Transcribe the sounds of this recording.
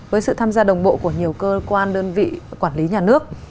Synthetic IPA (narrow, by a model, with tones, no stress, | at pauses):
vəː˨˦jsɨ̰˧˨t̪ʰaː˧mzaː˧ɗə˨˩wŋ͡mɓo̰˧˨ku˧˩əɲi˨˩əwkəː˧kwaː˧nɗəː˧nvḭ˧˨kwaː˧˩nli˨˦ɲaː˨˩nɨ˦˥ək̚